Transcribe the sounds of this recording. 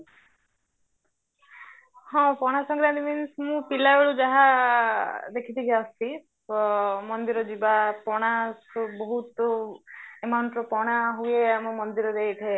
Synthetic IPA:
hɔ̃pɔɽ̃asɔ̃ŋɡɾad̪iminsmũpilaeɭud͡ʒaɦa | d̪ekʰit̪ʰikʰiasi | mɔnd̪iɾɔd͡ʒibapɔɽ̃asbɔɦut̪ɔ | emaɳʈɾɔpɔɽ̃aɦueamɔmɔnd̪iɾɔd̪ejt̪ʰee

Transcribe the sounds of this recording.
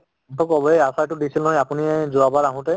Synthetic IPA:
ntʰɔkɔbɔeasatʊdisilnɔɔjapuniɛzuabaɹaɦʊ̃tɛ

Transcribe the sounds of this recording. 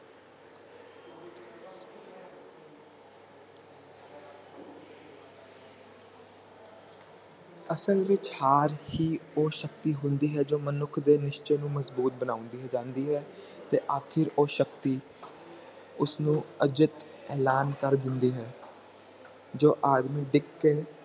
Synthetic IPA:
əsəlʋɪt͡ʃhaːɾhiːoːʃəkt̪iːɦʊ̃nd̪iːɦɛːd͡ʒoːmənʊkʰd̪eːnɪʃt͡ʃeːnũːməzbuːt̪̚bənãːʊ̃nd̪iːɦɛːd͡ʒãːnd̪iːɦɛː | t̪eːʔaːkʰɪɾoːʃəkt̪iː | ʊsnũːəd͡ʒɪt̪ | ɛːlaːnkəɾd̪ɪnd̪iːɦɛː | d͡ʒoːʔaːd̪miːɖɪkːeː

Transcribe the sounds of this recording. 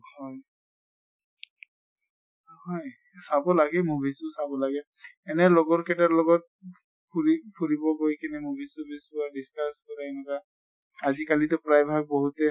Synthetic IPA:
hɔj | hɔj | sabɔlaɡɛmubʱisʊsabɔlaɡɛ | ɛnɛlɔɡɔɹkɛtalɔɡɔt̚ | pʰuɹipʰuɹibɔɡojkʰinɛmubʱisubʱisadiskaskɔɹaɛnɛkaː | zikalitʊpɹajbʱab̚bɔɦutɛ

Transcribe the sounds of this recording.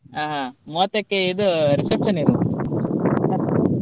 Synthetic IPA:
aːɦamoːt̪ekːeid̪uɾisepʂɐniɾunt̪i

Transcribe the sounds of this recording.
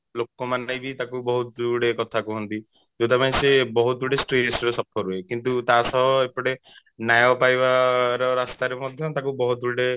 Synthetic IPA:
lokɔmanajbit̪akubɔɦut̪d̪uɽekɔt̪ʰakuɦɔnt̪i | d͡ʒot̪ʰapanẽsebɔɦut̪ɔd̪uɽesʈɾesɔɾɔsɔpʰɔɾuekint̪ut̪asɔbɔepɔɽe | najɔpajbaɾɔɾast̪aɾemɔd̪ʱjɔt̪akubɔɦut̪̚d̪uɖe

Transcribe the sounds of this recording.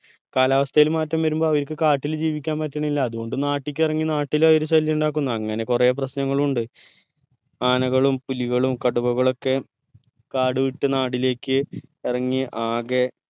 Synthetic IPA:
kaːlaːʋɐst̪ʰɐjilmaːtːɐmʋɐɾumbo̞ːɐʋɐɾkɨkaːʈːild͡ʑiːʋikʲːaːnpɐtːɐɳɐilːɐːðuɣo̞ɳɖɨnaːʈːikʲːirɐŋːinaːʈːiloːjoɾuɕɐlːjɐuɳɖaːk̬ːunːɐɐŋːɐne̞kure̞ːp̬rɐɕnɐŋːɐɭuɳɖɨ | aːnɐɣɐɭumpuliɣɐɭumkɐɽubɐɣɐɭo̞kːe̞ | kaːɽɨʋiʈːɨnaːɽile̞ːkːɨirɐŋːiʔaːɣe

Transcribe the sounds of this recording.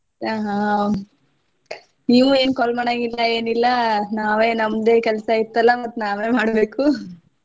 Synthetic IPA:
aːɦa | niːʋueːnkɔlɐmɐɳɐɡilːɐe̞ːnilːɐnaːʋe̞ːnɐmd̪e̞ːkɛlsɐit̪ːɐlːɐmɐt̪ːunaːʋeːmaːɽbeːku

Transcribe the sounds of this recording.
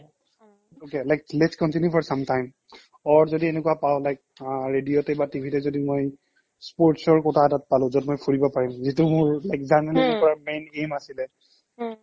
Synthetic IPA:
okelajklɛskɔntinjupʰɔɹsamtajm | ɔɹzodienɛkuapaʊlajk̚ɹedijotɛbatibʱitɛzodimoj | spoɹtsɔɹkɔtʰaːtat̚palʊ̃zɔtmojpʰuɹibɔpaɹimzitʊmʊɹlakzamɛnɔpɔɹaɹmejnemasilɛ

